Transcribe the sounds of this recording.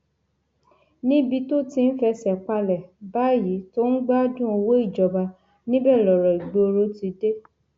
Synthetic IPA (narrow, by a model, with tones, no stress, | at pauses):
nĩ˦bi˧to˦tĩ˧n̩˦fɛ˧sɛ˨k͡pa˧lɛ˨ba˦ji˨˦to˦n̩˦ɡ͡ba˦d͡ʒũ˦o˧wo˦i˦˨d͡ʒɔ˨ba˧ | nĩ˦bɛ˦˨lɔ˨ɾɔ˨i˨ɡ͡bo˧o˧ɾo˨˦ti˧de˦